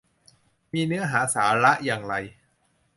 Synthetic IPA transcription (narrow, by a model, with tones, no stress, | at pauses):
miː˧nɯ˦˥ɐɦaː˩˦saː˩˦ɾa˦˥ʔjaː˧ŋɾa˧j